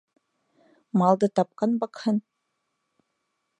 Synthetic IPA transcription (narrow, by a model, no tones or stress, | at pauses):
mɑlˠd̪ɤt̪ɑp̚qɑnbɑkhɤ̆n